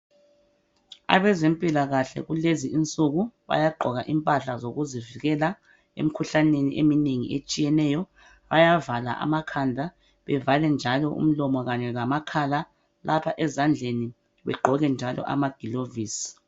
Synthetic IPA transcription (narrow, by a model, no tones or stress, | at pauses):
a̰βɛzempʼilaɣaɬɛ̰ɣuleziʔint͡sʼuɣuβa̰jaɡ͡ǃʱɔɣaʔimpʼaɬazoɣuziviɣɛla | ḛm̩kʰuɬaneniʔemineŋḭʔet͡ʃʼijɛnɛjɔ | βajavala̰ʔa̰makʰandʱa | βɛvalɛnd͡ʒʱalɔʔṵm̩lɔmɔɣaɲɛlamakʰala | lapʰaʔɛzand͡ɮʱeni | βɛ̰ɡ͡ǃʱɔɣɛnd͡ʒʱalɔ̰ʔa̰maɡ̥ʱiloviːsi̥